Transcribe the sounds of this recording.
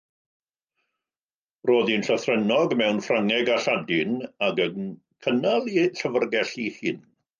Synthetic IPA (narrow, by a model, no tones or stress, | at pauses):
roːðinɬɔθrɛnɔɡmɛwnfraŋɛɡaɬadɪnaɡəŋ | kʰənalˠiɬəvərɡɛɬihɨn